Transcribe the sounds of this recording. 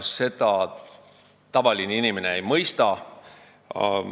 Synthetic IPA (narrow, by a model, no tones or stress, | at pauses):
sse̞t̪ɑ | t̪ɑvɑlineinʲimeneejmɤjst̪ɑ